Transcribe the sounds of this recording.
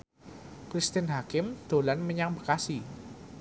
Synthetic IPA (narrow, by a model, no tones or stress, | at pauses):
kɾist̪ɪnɦakɪmd̪̥o̤lanməɲaŋbəkasi